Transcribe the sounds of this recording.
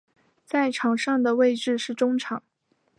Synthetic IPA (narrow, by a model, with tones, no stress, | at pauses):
t͡sa˥˩ɪʈ͡ʂʰɑ˨˩ŋʂɑ˥˩ŋd̪ə˩we˥˧ɪʈ͡ʂɻ̩˥˧ʂɻ̩˥˩ʈ͡ʂʊ˥ŋʈ͡ʂʰɑ˨˩˦ŋ